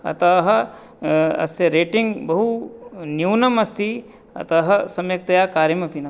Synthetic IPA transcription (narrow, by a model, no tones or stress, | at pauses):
ɐ̰t̪ɐɦɐ | ɐ̰st̪eɾeːʈɪŋɡbɐɦunjuːnɐmɐst̪i | ɐ̰t̪ɐɦɐsɐmjɐk̚t̪ɐjaːkaːɾjɐmɐpinɐ